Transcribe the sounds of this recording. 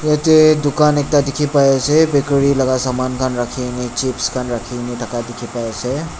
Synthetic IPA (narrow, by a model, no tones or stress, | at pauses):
jet̪ed̪ʊkanek̚ʈad̪ikʰipaesʰɛbekɽiləɡasamankʰanɾakʰinit͡ʃipskʰanɾakʰiniʈʰəkad̪ikʰipaesɛ